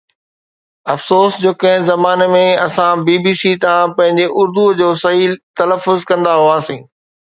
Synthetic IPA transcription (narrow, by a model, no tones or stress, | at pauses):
ɐfsoːsd͡ʑoːkɐ̃ɦɪ̃zɐmaːnemẽɐsãbiːbiːsit̪ãpɐ̃ɦɪ̃ɲd͡ʑeʔʊɾd̪ud͡ʑoːsɐɦiːlt̪ɐləfːʊzkɐ̃nd̪aɦoaːsĩː